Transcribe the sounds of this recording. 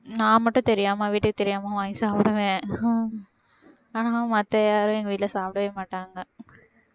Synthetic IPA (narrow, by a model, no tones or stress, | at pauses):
nãːmɐʈːʊ̃t̪ɛɾɪjaːmaːʋiːʈːɯkːɯt̪ɛɾɪjaːmaːʋaːjsaːpɽɐʋẽː | aːnaːmɐt̪ːɐjaːɾʊ̃ɛŋɡɐʋiːlɐsaːp̚ɽɐʋeːmaːʈːaːŋɡɐ